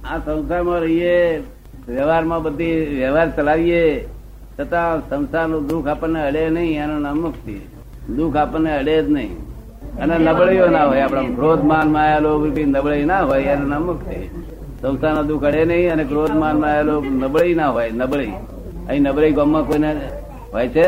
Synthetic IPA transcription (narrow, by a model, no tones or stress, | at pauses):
ãsə̃wsaɾmãɾəɦije | ʋjəʋaɾmãbəd̪ʱːiʋjəʋaɾt͡ʃəlaʋije | t͡ʃʰət̪ãsə̃wsaɾnod̪ukʰapəɽneəɽenəɦĩenonamək̚ʰt̪ʰḭ | d̪ukʰapəneəɽed͡ʒnəɦḭ̃ | ənenəbɭəjonaɦojapɽ̃ãɡʱɾod̪ʱmanmãjelobinəbɭəjnaɦojenonəməkʰt̪ʰḭ | sə̃wsanod̪ukʰəɽenəɦĩəneɡɾod̪ʱmanmãajelonəbɭəinaɦojnəbɭəi | ə̰ɦĩnəbləjɡomːãkoine | ɦojt͡ʃʰe